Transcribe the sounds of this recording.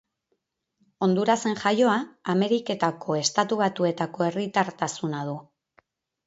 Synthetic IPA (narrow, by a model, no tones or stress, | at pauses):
o̞nd̪uɾase̞ŋʝajo̞aːme̞ɾike̞t̪akʰo̞e̞st̪at̪uβ̞at̪ue̞t̪ako̞e̞rit̪aɾt̪asunað̞u